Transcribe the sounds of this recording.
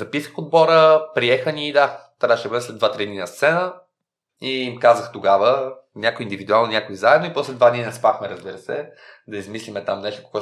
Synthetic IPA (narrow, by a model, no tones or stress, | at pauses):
zɐpisəxod̪̚bɔɾəpɾiɛxənʲiːd̪at̪ɐkaʃɛbɤd̪ɛslɛd̪d̪vat̪ɾid̪ninɐst̪sɛnə | imkazəxt̪oɡavənʲakoiːnd̪ivid̪ualˠnonʲakoizaɛd̪noipɔslɛd̪vad̪ninɛspɾaxmɛɾəzbiɾəsɛd̪ɐizmislimɛt̪amnɛʃt̪ʊ̥ko̥ɡɔ